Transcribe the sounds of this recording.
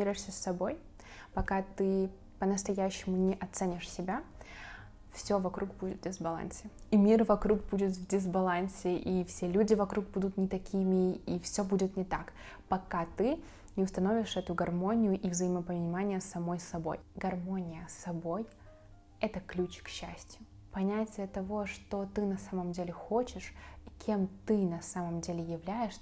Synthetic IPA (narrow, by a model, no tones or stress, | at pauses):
iɾʊjɪʂsʲəsːɐbo̞j | pɐkat̪ɨ | pənəst̪ɐjæɕːɪmʊnʲɪʔɐt̪sɛnʲɪʂsʲɪbʲa | fsʲovɐkɾʔuɡ̚budʲɪt̪dʲɪzbɐlˠa̰nsʲɪimʲirvɐkɾuɡ̚budʲɪt̪vdʲɪzbɐlˠanʲsʲɪʔifsʲe̞lʲudʲɪvɐkɾuɡ̚bud̪ʊt̪nʲɪt̪ɐkʲʰimʲɪifsʲobudʲɪt̪nʲɪt̪ak | pɐkat̪ɨ | nʲɪʊst̪ɐno̞vʲɪʂɛt̪ʊɡɐrmo̞nʲɪjʊʔivzəɪməpənʲɪmanʲɪjəsɐmo̞jsɐbo̞̰jɡɐrmo̞nʲɪjəsɐbo̞j | ɛt̪əklʲut͡ɕkɕːæ̰sʲtʲjʊ | pɐnʲætʲɪjət̪ɐvo̞ʂt̪o̞t̪ɨnɐsaməmdʲelʲɪxo̞t͡ɕɪʂikʲʰe̞mt̪ɨnɐsaməmdʲelʲɪjɪvlʲæjɪʂ